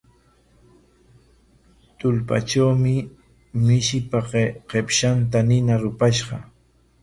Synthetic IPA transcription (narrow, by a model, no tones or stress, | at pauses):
t̪ʊlpa̰ʈ͡ʂawmɪ | mɪʃɪpaqqepʃant̪anɪnaɾʊpaʃɢɑ̰